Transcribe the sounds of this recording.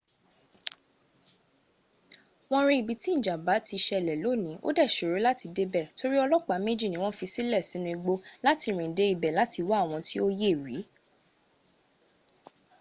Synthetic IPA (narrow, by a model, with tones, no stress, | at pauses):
w̃ɔ̃˧ɾ̃ĩ˦i˨bi˨tĩ˦˨d͡ʒa˨ba˨˦ti˧ʃɛ˧˨lɛ˨lo˨˦˨nĩ˨˦ʔo̰˦dɛ˦˨ʃo˨ɾo˨˦la˦ti˧de˦bɛ˦˨to˧ɾi˦ɔ˧lɔ˦k͡pa˨˦me˦d͡ʒi˦˨nĩ˦w̃ɔ̃˦fi˧si˦lɛ˦˨sĩ˨˦nũ˦˧i˧ɡ͡bo˧la˦ti˧ɾ̃ĩ˨de˨˦i˨bɛ˨la˨˦ti˧wa˦˨w̃ɔ̃˧ti˦o˦je˦˨ɾi˨˦